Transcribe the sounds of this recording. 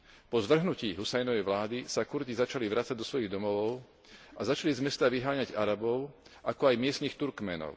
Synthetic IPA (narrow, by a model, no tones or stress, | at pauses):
pɔzʋr̩ɦnuciːɦusɛjnɔʋɛjʋlaːd̪isakuɾzizat͡ʃaliʋɾat͡saɟ̚d̪ɔsʋɔjiɣd̪ɔmɔʋɔʊ | azat͡ʃalizmɛst̪aʋiɦaːɲaɟaɾabɔʊ | ʔakɔajmɪɛst̪niːxt̪uɾkmɛnɔ̰ʊ